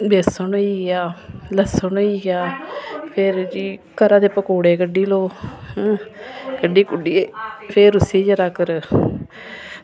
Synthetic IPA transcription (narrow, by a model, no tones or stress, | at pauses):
beːsənoiːɡaːləsənoiːaːpʰeɾd͡ʒiːkəɾãːd̪eːpəkoːɽeːkəɖiːloː | kəɖiːkʊɖiːeːpʰeːɾʊsiːd͡ʒəɾaːkəɾ